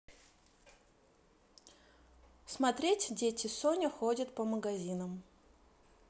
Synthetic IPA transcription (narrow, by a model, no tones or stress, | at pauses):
smɐt̪ɾʲetʲdʲetʲɪsonʲəxodʲət̪pəməɡɐzʲinəm